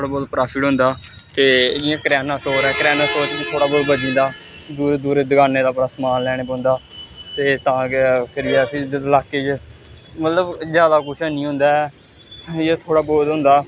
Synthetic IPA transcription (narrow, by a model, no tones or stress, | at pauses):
ɽaːboːd̪pɾaːpʰɪʈɦʊ̃nd̪aː | t̪eːd͡ʒɪãːkəɾɛːnaːsoːɾɛːkəɾɛːnaːsoːt͡ʃkit̪ʰoːɽaːboːd̪bəd͡ʒĩːnd̪aː | d̪uːɾeːd̪uːɾeːd̪ɪɡaːneːd̪aːpəɾaːsəmaːllɛːɽ̃eːbõːnd̪aː | t̪eːt̪ãːkəɾɪjaːpʰɪlaːkːeːt͡ʃ | mət̪ləbzjaːd̪aːkʊt͡ʃʰənĩːɦʊ̃nd̪aːɛ | jeːt̪ʰoːɽaːboːd̪ɦʊ̃nd̪aː